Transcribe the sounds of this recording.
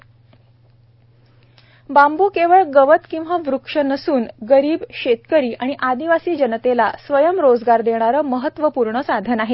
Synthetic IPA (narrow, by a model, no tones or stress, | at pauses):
bambuːkeʋəɭɡəʋət̪kĩw̃ʋaʋɾukʂənəsuːnɡəɾiːbɕet̪kəɾiːʔaɽ̃iʔad̪iʋasiːd͡ʑənt̪ela̰sʋəjəmɾod͡zɡaɾd̪eɽ̃aɾəːməɦət̪ːʋəpuɾɳəsad̪ʱənaɦe